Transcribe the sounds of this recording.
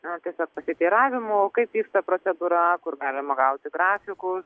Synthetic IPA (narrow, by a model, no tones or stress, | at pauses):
nɐt̪ʲiɛsʲoːk̚pɐsʲɪt̪ʲiːɾɑːʋʲɪmookɐɪpʋʲiːkst̪ɐpɾoːt͡s̪ʲɛd̪uːɾɐkʊɾɡɑːlʲɪmɐɡɐʊt̪ʲɪɡɾɑːfʲɪkʊs